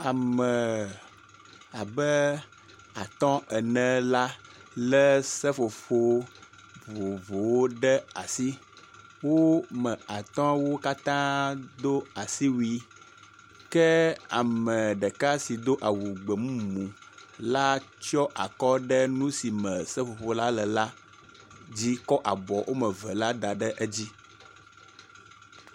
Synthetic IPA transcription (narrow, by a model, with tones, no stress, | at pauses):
a˨mə̃˨ | a˨bɛ˦ | a˨t̪ɔ̃˦ɛ˨nɛ̃˨la˦lɛ˦sɛ˦fo˨fo˦ | vo˨vo˨wo˦ɖɛ˦a˨si˦ | wo˦mɛ̃˨a˨t̪ɔ̃˦wo˦ka˦t̪ã˦d̪o˦a˨si˦wi˦ | kɛ˦a̰˨mɛ̃˨ɖɛ˨ka˦si˨d̪o˦ʔa˨wu˨ɡ͡bɛ˨mũ˦mũ˨la˦t͡ʃɔ˦ʔa̰˨kɔ˦ɖɛ˦nũ˦si˨mɛ̃˨sɛ˦ɸo˨ɸo˦la˦lɛ˨la˦ | d͡ʑi˦kɔ˦ʔa˨bɔ˨wʔo˦mɛ̃˨vɛ˨la˦d̪a˨ɖɛ˦ʔɛ˦d͡ʑi˦